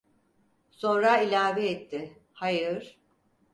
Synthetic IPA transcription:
sõ̞nɾailʲaːvɛːt̪ʰːɪ | hajɯɾ̥

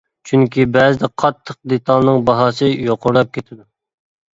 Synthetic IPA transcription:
t͡ʃʰyŋkʲibɛzɪd̪ɛqʰɑt̪ʰːəq̚d̪et̪ʰɑlˠnɨŋbɑɦɑːsɨjoqʰʊɾlˠɑp̚kʲʰet̪ʰɪd̪u

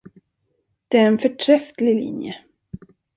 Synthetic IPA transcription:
d̪̥ɛæɾɛnfœʈʰɾɛft̪lɪlḭnjə̰

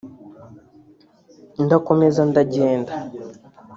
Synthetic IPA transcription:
ndakomezandaɟeːnda

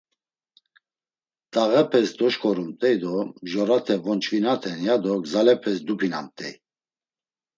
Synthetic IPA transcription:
t̪ʼaʁɛpʰɛsd̪ɔʃkʰɔɾumt̪ʼɛjd̪ɔʒɔɾat̪ʰɛvɔnt͡ʃʰvinat̪ʰɛnjad̪ɔɡzalɛpʰɛs̬d̪upʰinamt̪ʼɛj

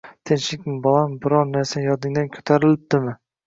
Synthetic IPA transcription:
t̪ʰenʃɪkʲmɪbɒlˠambɪɾɒɾnaɾsajɒd̪ɪŋd̪ankʲʰɵ̥t̪ʰaɾɪlɪp̚d̪ɪmɪ

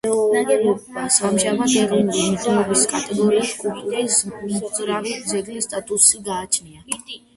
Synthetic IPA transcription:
samʒamad̪ɛɾɔnulimt̪ʰʼɛɔbiskʼat̪ʼɛɡɔɾiiskʼult̪ʼuɾɾismɾavid̪zɛɡlist̪ʼat̪ʼusiɡaːt͡ʃʰnia

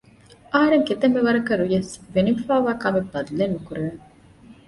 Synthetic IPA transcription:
ʔɐɦɐɾeŋket̪ɐmːeʋɐɾɐkɐɾujesʋenifaːʋaːkɐmebːɐd̪lenːukuɾeʋeŋ

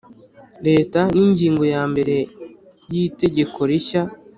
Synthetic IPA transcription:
ɾe̞ːtaniɲɟiːŋɡo̞jaːmbe̞ɾe̞ | jiːte̞ɟe̞ko̞ɾiça

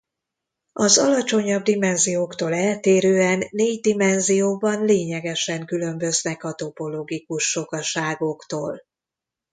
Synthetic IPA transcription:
ɒzɒlɒt͡ʃo̞ɲɒb̚d̪imɛnzijoːkt̪oːlɛlt̪eːɾøːɛnːeːɟd̪imɛnzijoːbɒnleːɲɛɡɛʃɛŋkylø̞mbø̞znɛkɒt̪o̞po̞loːɡikuʃːo̞kɒʃaːɡo̞kt̪oːl

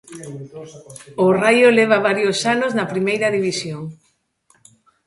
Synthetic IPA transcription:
orajoleβ̞ɐβaɾjosanoznɐpɾimejɾɐðiβisjoŋ

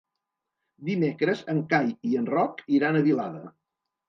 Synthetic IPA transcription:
d̪imekɾəzəŋkajiənrɔkiɾanəβilaðə

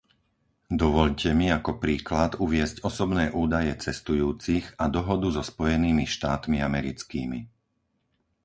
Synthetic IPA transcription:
d̪ɔʋɔʎcɛmiakɔpɾiːklat̪uʋɪɛzcɔsɔbnɛːʔuːd̪ajɛt͡sɛst̪ujuːt͡siɣad̪ɔɦɔd̪uzɔspɔjɛniːmiʃt̪aːt̪miamɛɾḭt͡skḭːmḭ

